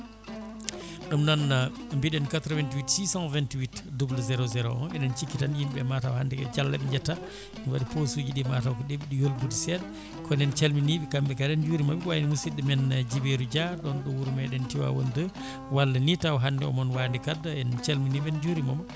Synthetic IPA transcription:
ɗumnɔnambiɗɛnkatɾɔvɛntiwitsisãnvɛntiwitdublzɛɾɔzɛɾɔ̰ɔnʔɛnɛnt͡ʃikːitanjimbɛmatawhandɛkɛd͡ʒalːa̰ɓɛɲd͡ʒata | nwaɗiposuːd͡ʒiɗimatawkɔɗebiɗijolbudisɛl | kɔnɛnt͡ʃelminiɓikambɛkadɛnd͡ʒuːɾimabiwajnimusidɛmɛnd͡ʒibeɾud͡ʒaɗɔnɗɔwuɾumɛɗɛntiwa̰wo̰ndə | walːanitawɦandɛɔ̰mɔnwandikadːaɛnt͡ʃelminiɓɛnd͡ʒuɾimam

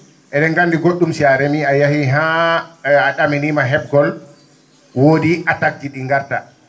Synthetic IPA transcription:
ʔɛɗɛŋɡandiɡoɗːumsiaɾɛmiajahiɦaː | ɗaminimaɦɛb̚ɡɔl | woːdiʔatak̚tiɗiŋɡaɾta

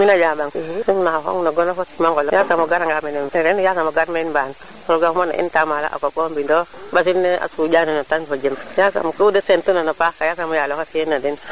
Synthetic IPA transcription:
minad͡ʒabaŋsiŋnaɦɔ̰ŋnaɡɔnafɔtimaŋkɔljasamɔɡaɾaŋɡamɛnɛmɛɾɛnjasamoɡaɾmenban | pɾɔɡahmɔna̰ʔḭntamala̰ʔa̰kɔkɔmbindɔbas̬inɛa̰sud͡ʒananatanpad͡ʒimjasa̰mkudəsɛntunanapakajasamɔjalɔkasienadin

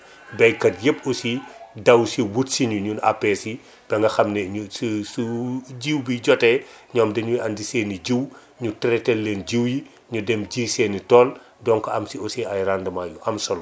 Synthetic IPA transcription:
bɛjkɐt̚jepːɔsidɐwsiwutsiɲuɲuna̰pːɛsi | b̥ɛŋɡɐxɐmnɛɲususuɟiːwbiɟɔtɛ | ɲɔːmdɐɲuandiseːniɟiw | ɲutɾɛtɛlːenɟiwji | ɲudɛmɟiːseːnitɔːl | dɔŋkɔɐmsiɔsiɐjrandɐmaːjuʔɐmsɔl

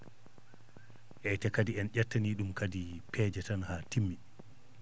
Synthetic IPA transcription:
ʔɛtɛkadiɛnʄɛtːaniːɗumkadipʰɛːd͡ʒɛtanhaːtimːi

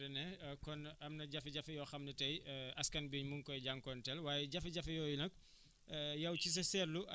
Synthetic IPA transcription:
ɐnɛkɔnɐmnɐɟɐfɐɟɐfɐjɔːxɐmnɐtɐjɐskɐnbiːɲmuŋkɔjɟaŋkɔntɛlwaːjɛɟɐfɐɟɐfɐjɔːjunɐk̚ː | jɐwcis̬ɐsɛrlu

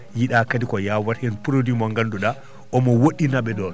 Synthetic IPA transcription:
jiɗakadikɔjawaɾhɛnpuɾodimɔŋɡanduɗa | ʔɔmɔwoɗːinaɓɛdɔn

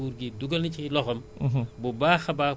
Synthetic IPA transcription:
uːɾɡiduɡɐlnit͡ʃilɔxɐmbubaːxɐbaː

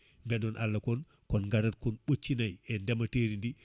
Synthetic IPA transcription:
mbɛdɔnʔalːakon | kɔnŋɡaɾat̚kɔnɓot͡ʃːinajɛndemɐteɾindi

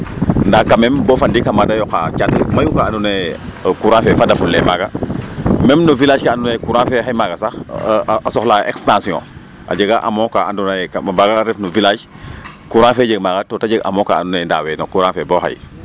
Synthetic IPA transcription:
ndakamɛmbɔfandikamadajɔka̰t͡ʃatḭmajukaandunekuɾãːfɛfadɐfulːɛmaːɡa | mɛmnuvilaːd͡ʒkaandunekuɾãːfɛɦajmaɡɐsaxasɔxlaʔḛkstãːsiɔ̰̃ | ʔa̰ɟəɡaʔa̰mɔ̃kaandunakabaːɡaɾɛfnuvilaːd͡ʒ | kuɾãːfɛːɟəɡ̚maːɡatotaɟəɡa̰mɔ̃kaa̰ndunenda̰ːwɛnokuɾãːfɛboha̰j

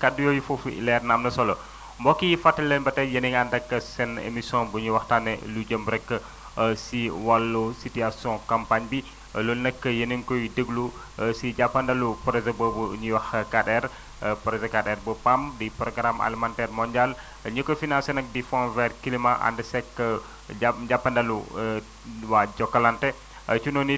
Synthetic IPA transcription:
kadːujojifoflɛɾnamnɐsɔlɔ | mbɔkːijfatːɐlːenbɐtɛjəniŋandɐkːəsɛnḛmisɔ̃buɲiwahtanelud͡ʒəmbɾɛkːə | siwalːusitiasɔ̃kampaɲbi | lulnəkːəjəniŋkɔjidəɡlu | sid͡ʒapandɐlupəɾezəbəbuɲiwahkaɗɛɾ | pɾezəkadɛrbəpamdipɾɔɡɾamʔa̰limantɛrmɔɲd͡ʒial | ɲəkːofinãnsenɐk̚difɔ̃nvɛrkilimaʔa̰ndəsɛkːə | d͡ʒapandalu | wad͡ʒɔkːalante | ət͡ʃunoni

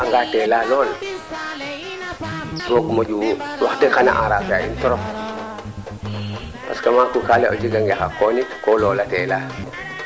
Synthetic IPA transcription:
aŋɡaːtɛːlalɔːl | wokmoɟuwaxtixana̰ʔaɾaːbaḭntɔɾɔp̚ | pa̰skamakukaleʔo̰d͡ʒiɡaŋɡaxakɔnikolɔːlatɛːla

